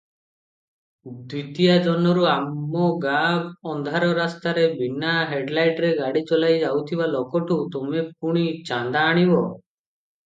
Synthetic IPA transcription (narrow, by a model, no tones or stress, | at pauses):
d̪wit̪ijad͡ʒɔnɔɾuamːɔɡabɔnd̪ʱaɾɔɾast̪aɾebinaɦeɖlajʈɾeɡaɽit͡ʃɔlajd͡ʒawt̪ʰibalɔkɔʈut̪omep̚uɽ̃it͡ʃand̪aːɽ̃ibɔ